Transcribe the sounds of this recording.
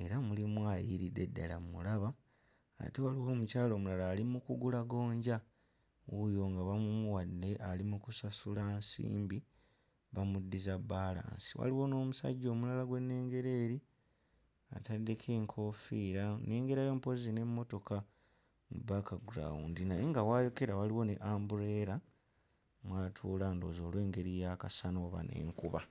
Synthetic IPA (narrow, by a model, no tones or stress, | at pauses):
e̞ɾamulimwaːjiɾide̞dːa̰la̰ulaβa̰ː | tewaliwo̞ːmucaːlo̞ːmulalaːlimukuɡulaɡo̞ːɲɟa | ujo̞ŋɡaβamumuwadːe̞ʔalimukusasulansḭːmbi | βamudːizaβːaːla̰ːnsi̥wa̰liwo̞no̞ːmusa̰ɟːo̞ːmulalaɡwe̞nːe̞ːŋɡe̞ɾe̞ːɾi | a̰tadːekʰeːŋkʰo̞fiːɾane̞ːŋɡe̞ɾajo̞mpo̞zine̞mːo̞to̞ka | mṵbakaɡuɾa̰wuːndinajeŋɡawaːjo̞ke̞ɾawaliwo̞nḛʔaːmbuɾe̞ːɾa | mwaːtʰuːlaːndo̞ːzo̞ːlwe̞ːŋɡe̞ɾijakasanoːβa̰ne̞̰ːŋkuβa̰